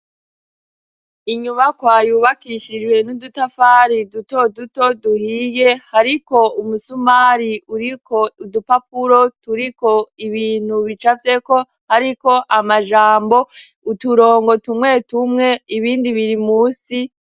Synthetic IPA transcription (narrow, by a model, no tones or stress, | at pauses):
iɲumakwaːjuːβakiʃid͡ʒɡwe̞nudutafaːɾiduto̞duto̞duhije̞haɾiko̞umusumaɾiuɾikoudupap̚uɾo̞tuɾiko̞iβiːn̥huβit͡ʃavje̞ko̞ | haɾiko̞ʔamaʒaːmbo̞ | utuɾo̞ːŋɡo̞tumŋe̞tumŋe̞iβiːndiβiɾimuːsi